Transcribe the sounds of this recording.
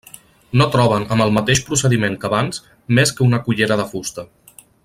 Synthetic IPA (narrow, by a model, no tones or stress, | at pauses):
not̪ɾɔβ̞ənəmbəlˠmət̪eʃpɾusəðimeŋkəβanz̥ | meskəunəkuʎeɾəðəfust̪ə